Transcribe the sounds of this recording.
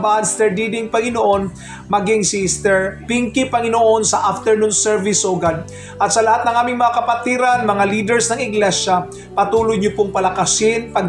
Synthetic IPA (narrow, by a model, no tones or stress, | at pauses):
baʔɐnst̪ɛɹd̪id̪ɪŋpɐŋɪnoʔo̞n | mɐɡɪŋsist̪ɛɹpiŋkɪpɐŋɪnoʔo̞nsɐʔaft̪ɛɹnunsɛɹvɪsoɡan | ʔɐt̪sɐlɐhat̪nɐŋʔaːmɪŋmɐŋakɐpɐt̪iɾɐnmɐŋaliːd̪ɛɹsnɐŋɪɡlɛʃa | pɐt̪uːlojɲopoŋpɐlɐkɐsɪnpɐɡ